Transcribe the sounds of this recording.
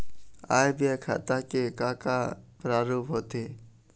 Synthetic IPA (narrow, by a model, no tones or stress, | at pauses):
a̰ːjbɪjakʰa̰t̪aːkeːkaːkaːpɾaːɾuːpɦoːt̪eː